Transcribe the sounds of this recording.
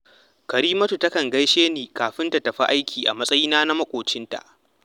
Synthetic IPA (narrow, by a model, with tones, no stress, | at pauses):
kɐ˨ɾiː˦mɐ˦tu˨tɐ˦kɐ˨ŋɡɐ˦jʃeː˦niː˨kaː˨ɸɪ˦nta˨tɐ˨ɸa˦ʔa˦jkʲiː˨ʔa̰˨mɐ˦sʼɐ˦jiː˦naː˦na˦mɐ˦kʷʼoː˨t͡ʃɪ˦nta̰˨ʔ